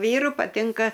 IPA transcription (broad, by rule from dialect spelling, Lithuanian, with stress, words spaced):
ˈʋʲiːrʊ pɐˈtʲɪŋkɐ